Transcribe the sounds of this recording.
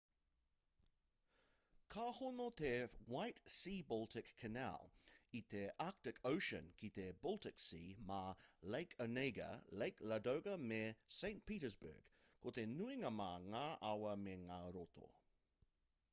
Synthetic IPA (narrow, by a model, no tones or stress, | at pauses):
kʰaːhonot̪ʰewajtsiːbɔlˠtʰɪkʰːɐna̰ːlit̪ʰeʔak̚tɪkʰoʊʃə̰̃nkʰit̪ebɔlˠtɪksiːmaleɪkʰəneɪɡə̰leɪklɐdoʊɡɐmesẽɪ̃ntpiːɾəzbə̰ːɡ̥ | kʰot̪enuɪŋɐmaːŋaːʔawɐmeŋaːɾot̪ʰo̰